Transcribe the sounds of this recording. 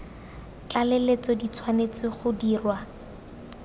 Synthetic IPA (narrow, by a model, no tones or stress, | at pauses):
t͡ɬalɛlet͡sɔdit͡sʰwanet͡sɪχʊdiːrwa